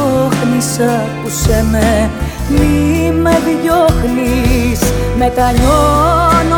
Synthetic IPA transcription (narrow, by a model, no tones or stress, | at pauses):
oxnisɐkuseme | mimeðʝoxlismet̪ɐɲon